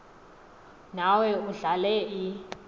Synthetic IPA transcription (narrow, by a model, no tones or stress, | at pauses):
nawɛuɮalɛi